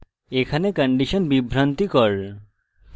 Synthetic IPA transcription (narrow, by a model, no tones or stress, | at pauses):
ekʰanekəɳɖiʃənbibʱɾɐnt̪ikɔɾ